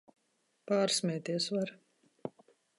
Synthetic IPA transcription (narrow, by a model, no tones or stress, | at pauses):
paːɾsmʲɛːt̪iɛsvaɾ